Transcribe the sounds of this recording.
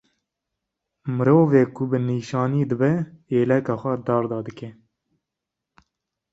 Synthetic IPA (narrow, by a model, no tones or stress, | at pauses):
mɨɾoːveːkʊbɨniːʃɑːniːd̪ɨbɛeːlɛkɑːxʷɛd̪ɑːɾd̪ɑːd̪ɨkɛ